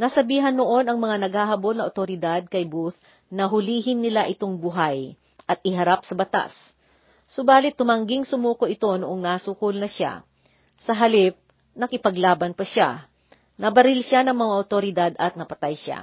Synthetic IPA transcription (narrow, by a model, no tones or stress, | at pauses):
nɐsɐbiːɦɐnːoʔo̞nɐŋmɐŋanɐɡ̚haːɦɐbolnɐʔot̪oɾɪd̪ad̪̚kɐjbus | nɐɦʊliːɦɪnːɪlaʔɪt̪o̞ŋbʊɦaj | ʔɐt̪̚ɪɦɐɾap̚sɐbɐt̪a̰sː | obaːlɪt̪ːʊmɐŋɡɪŋsʊmuːkoʔɪt̪o̞noʔoŋnɐsuːkʊlnɐʃa̰ | sɐɦɐlɪp̚ | nɐkɪpɐɡlaːbɐnpɐʃa̰ | nɐbɐɾɪlʃanɐŋmɐŋaʔot̪oɾɪd̪ad̪ʔɐt̪̚nɐpɐt̪ajʃa̰